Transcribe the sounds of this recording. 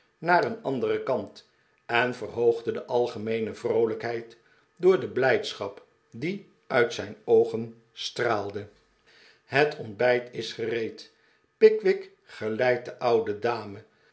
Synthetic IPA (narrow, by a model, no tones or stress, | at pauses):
naːrənɑndərəkɑnt | ɛnvərɦowχdədəʔɑlˠχəmejnəvrowləkɦɛjt | dʊːɹdəblɛjtsχɑp | di | ʔœɥtsɛjnowχən | straːlˠdə | ɦətʰɔnbɛjtɪsχərejt | pɪkʋɪk | χəlɛjt̚dəʔʌwdədaːmə